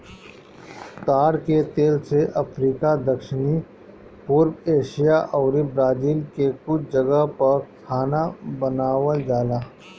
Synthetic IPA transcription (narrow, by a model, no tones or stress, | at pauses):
t̪aːɽket̪eːlseʔɐpʰɾiːkad̪ɐkʃɪni | puːɾbeːʃijaʔɔːɾibɾaːd͡ʒiːlkekʊt͡ʃʰd͡ʒɐɡəɦpɐɾkʰaːnabənaːʋəld͡ʒaːlaː